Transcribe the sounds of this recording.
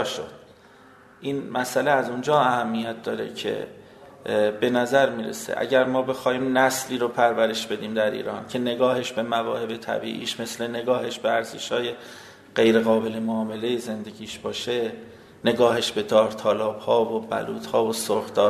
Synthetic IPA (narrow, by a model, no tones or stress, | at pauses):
ʃo̰d̪̥ | ʔiːnmæsæleæzund͡ʒɒːæhæmːijæt̪̚d̪ɒːɾḛcʰe̞̰ | be̞næzæɾmiːɾḛsḛʔæ̰ɟæɾmɒːbe̞xɒːhiːmnæsliːɾopʰæɾvæɾe̞ʃb̥e̞d̪iːmd̪æɾḭːɾɒ̰ːncʰe̞ne̞ɡɒːhe̞ʃbe̞mævɒːhe̞be̞t̪ʰæ̰bḭːʔḭːʃme̞sle̞ne̞ɡɒːhe̞ʃb̥eæɾzeʃhɒːje̞ | ɢ̥e̞jɾe̞ɣɒːbe̞le̞moːme̞lejeze̞nd̪e̞ɟiːʃb̥ɒːʃe | ne̞ɡɒːhe̞ʃbe̞d̪ɒːɾt̪ʰɒːlɒːb̥hɒːvobæ̰luːd̪hɒːvosoxd̪ɒː